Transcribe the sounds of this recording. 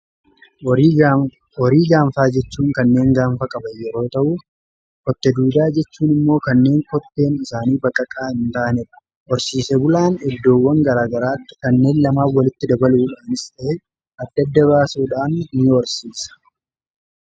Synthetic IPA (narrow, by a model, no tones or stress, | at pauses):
ɔɾiːɡaːɱfaːd͡ʒɛt͡ʃːuːŋkɐnːe̞ːŋɡaːɱfɐkʼɐbɐjɛɾo̞ːt̪ɐʔu | kɔt̪ːɛd̪uːd̪aːd͡ʒɛt͡ʃːuːnɪmːo̞ːkɐnːe̞ːŋkɔt̪ːe̞ːnɪsaːniːbɐkʼːɐkʼaːhɪnt̪aːnɪᶑɐ̥ | ʔɔɾsiːsɛbʊlaːnɛd̪ːo̞ːwːɐŋɡɐɾaːɡɐɾaːt̪ːɪ̥kɐnːe̞ːnlɐmaːfwːɐlɪt̪ːɪd̪ɐbɐluːᶑaːnɪst̪ʼɐʔe | ʔɐd̪ːɐd̪ːɐβaːsuːᶑaːnnɪɔɾsiːsɐ̥